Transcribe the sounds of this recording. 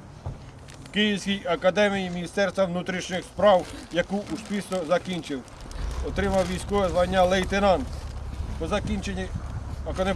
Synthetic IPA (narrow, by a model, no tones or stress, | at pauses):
wkɪjiwsʲkʲijɐkɐd̪ɛmʲijimʲinʲist̪ɛrst̪ʋɐwnut̪ɾʲiʃnʲɪxspɾɑwjɐkuusʲpʲisnɔzɐkʲinʲt͡ʃɪw | ɔt̪ɾɪmɐwʋʲijsʲkɔʋɛzlˠɐnʲːalˠɛjt̪enɑnpɔzɐkʲinʲt͡ʃenʲːiɐkɔne